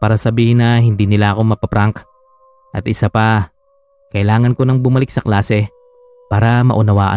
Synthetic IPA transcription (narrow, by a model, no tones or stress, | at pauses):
paːɾɐsɐbiːhɪnɐɦɪnd̪iːnɪlaʔɐko̞mɐpɐpɾaŋk | ʔɐt̪ʔɪsapɐ | kɐʔɪlaːŋɐnko̞nɐŋbʊmɐlɪk̚sɐklaːsɛ | paːɾɐmɐ̰ʔʊnɐwaːʔɐ̰